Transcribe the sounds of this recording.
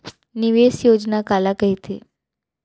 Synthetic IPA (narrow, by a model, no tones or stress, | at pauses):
niʋesjod͡ʒnakalakəɦit̪e